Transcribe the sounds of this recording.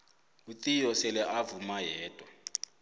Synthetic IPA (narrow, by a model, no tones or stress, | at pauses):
utijɔsɛlɛʔavumajɛːd̥ʱʼwɔ